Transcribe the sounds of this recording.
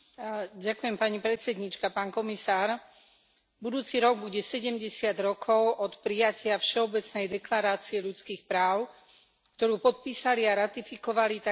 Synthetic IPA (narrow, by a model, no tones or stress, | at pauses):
ɟakujɛmpaɲipɾɛt̪sɛd̪ɲit͡ʃkapaːnkɔmisaːɾ | bud̪uːt͡siɾɔɡ̚buɟɛsɛɟɛmɟɛsɪad̪ɾɔkʰɔʊʔɔt̪pɾijacʰɪafʃɛɔbɛt͡snɛjd̪ɛklaɾaːt͡siɛʎut͡skiːxpɾaːʊ | kt̪ɔɾuːpɔt̪̚piːsaliaɾat̪ifikɔʋalit̪a